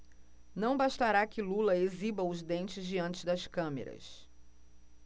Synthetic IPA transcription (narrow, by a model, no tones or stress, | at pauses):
nɐ̃w̃baʃt̪aɾakɪlulɐezibɐʊzd̪ẽnt͡ʃɪzd͡ʒiɐ̃nt͡ʃɪd̪ɐskɐ̃mḛɾɐ̰s